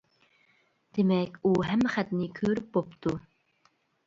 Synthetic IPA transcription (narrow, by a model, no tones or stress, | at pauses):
d̪̥emɛkʲuɦɛmːɛχæt̪nɪkʲʰøɾyp̚bopt̪u